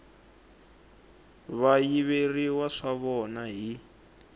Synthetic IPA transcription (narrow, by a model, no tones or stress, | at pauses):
βajiβeriwaʂaβɔnaɦi